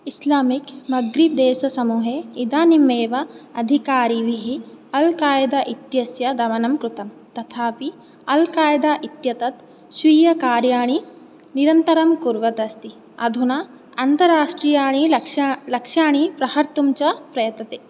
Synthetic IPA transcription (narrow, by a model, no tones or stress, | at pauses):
islaːmikmɐɡɾip̚d̪eːʃɐsɐmuːɦeid̪aːnimeːʋɐɐd̪ʱikaːɾiʋiɦiɐlkaːjɐd̪aʔit̪jɐsjɐd̪ɐʋɐnɐmkɾut̪ɐm | t̪ɐt̪ʰaːpi | ɐlkaːjɐd̪aːʔit̪jɐt̪ɐt̪ | sʋiːjɐkaːɾjaːɳ̃i | niɾɐnt̪ɐɾɐmkuɾʋɐd̪ɐst̪i | ɐ̰d̪ʱuna | ɐnt̪ɐɾaːʂʈɾiːjaːɳ̃iɐʃalɐkʂjaːɳipɾɐhɐɾt̪umt͡ʃɐpɾɐjɐt̪nɐt̪eː